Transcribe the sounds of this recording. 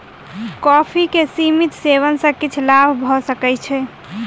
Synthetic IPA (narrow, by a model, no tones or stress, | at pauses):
kɔpʰikesimit̪seβənsə̃kit͡ʃʰlabʱbʱɔsəkɛt͡ʃʰɛ